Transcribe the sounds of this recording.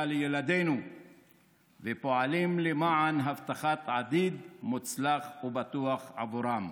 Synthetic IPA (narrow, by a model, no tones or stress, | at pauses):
lejelad̪e̞jnu | vepo̞alimlemaʕanɦavt̪aχat̪ʕad̪id̪mut͡slaχubat̪uaχʕa̰vuɾam